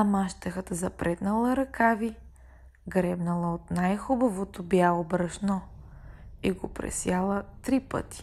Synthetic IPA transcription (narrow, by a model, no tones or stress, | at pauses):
ɐmaʃt̪ɐxət̪əzɐpɾʔɛt̪nɐlˠəɾɐkavi | ɡɾɛbnɐlˠəot̪najxubɐvot̪objaobɾɐʃnɔ | iɡopɾɛ̰sjalˠət̪ɾipə̰t̪i̥